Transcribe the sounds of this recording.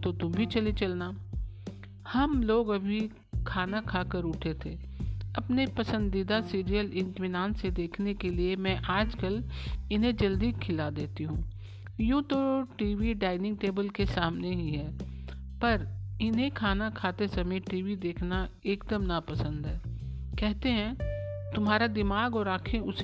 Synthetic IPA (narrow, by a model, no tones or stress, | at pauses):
t̪ot̪ʊmbʱit͡ʃɐlit͡ʃɐlnaː | hɐmloːɡɐbʱi | kʰaːnakʰaːkəɾʊʈʰet̪ʰeɐpnepɐsə̃nd̪id̪asiːɾijəlɪ̃ɳʈmɪnaːnsed̪eːkʰnekeliemɛ̃ːʔaːd͡ʒkəlɪnɦẽd͡ʒɐld̪ikʰɪlad̪eːt̪iɦũː | jũt̪oʈiːʋiɖaːɪnɪ̃ŋɡ̚ʈeːbəlkesaːmneɦiɦɛː | pɐɾɪnɦẽkʰaːnakʰaːt̪esɐmĩʈiːʋid̪eːkʰna | eːkd̪əmnapɐsə̃nd̪ɦɛːkɛɦt̪eɦɛ̃t̪ʊmɦaːɾad̪ɪmaːɡɔːɾaːkʰẽʊs